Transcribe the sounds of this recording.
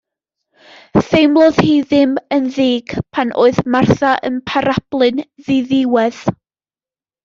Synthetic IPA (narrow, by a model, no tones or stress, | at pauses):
θejmlˠɔð̥hiðɪmənðiːɡ̥pʰanʔo̰ːɨðmarθaʔə̰npʰaɾab̥lˠɨnðɨðɪwɛð̥